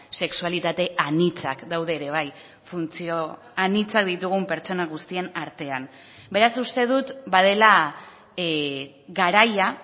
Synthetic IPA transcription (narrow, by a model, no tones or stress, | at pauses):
se̞ksualit̪at̪e̞anit͡sakd̪awð̞e̞ːɾe̞β̞aj | funt͡sio̞ | anit͡sak̚d̪it̪uɣ̞umpe̞ɾt͡ʃo̞naɣ̞ust̪ie̞naɾt̪e̞am | be̞ɾasust̪e̞ð̞ut̪bað̞e̞la | ɡaɾaja